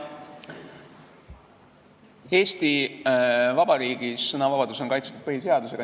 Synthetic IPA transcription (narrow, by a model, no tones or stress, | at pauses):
e̞ːst̪i | vɑb̥ɑɾiːɡ̥isːɤnɑvɑb̥ɑd̪uso̞nkɑjt̪st̪ud̪̥̚pɤɦise̞ɑd̪use̞ɡ̥ɑ